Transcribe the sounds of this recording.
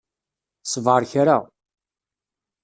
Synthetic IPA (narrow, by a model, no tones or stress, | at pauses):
sˤvʁəɾˤçɾa